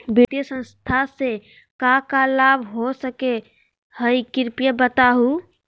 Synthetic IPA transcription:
bit̪ijəsə̃nst̪ʰase | kakalabʱɦosəke | həjkiɾpijəbət̪aɦu

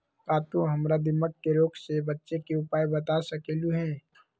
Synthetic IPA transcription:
kaːt̪ũɦɐmɾad̪ɪmək̚keɾoːksebɐtːʃekeʊpaːibɐt̪asɐkeːluɦɛ̃ː

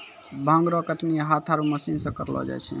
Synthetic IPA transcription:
bʱə̃ŋɡɾɔkəʈniɦat̪ʰaɾuməsinsə̃kəɾlɔ̰d͡ʒa̰jt͡ʃʰɛ̰

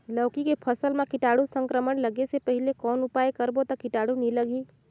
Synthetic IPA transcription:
ləːkikepʰəsəlmẽkɪʈaːɽusə̃ŋkɾəməɳləɡesepəɦɪlekɔːnʊpaːekəɾbot̪ɐkɪʈaːɽuniləɡiː

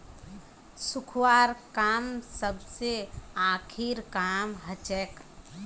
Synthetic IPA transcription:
sukʰwaːɾkaːmsəbʱseaːkʰiɾkaːmɦət͡ʃɛk

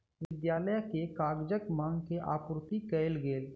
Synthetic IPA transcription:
ʋɪd̪jaːləjkekaːɡd͡ʒəkmãːŋɡkeʔa̰ːpʊɾʊt̪ikɛɪlɡeːl

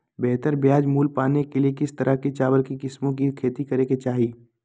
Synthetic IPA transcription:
bɛɦt̪əɾbjaːd͡ʒmuːlpaːnekeliekɪst̪ɐɾʔəket͡ʃaːʋəlkikɪsmõkikʰeːt̪ikɐɾeket͡ʃaːɦiː

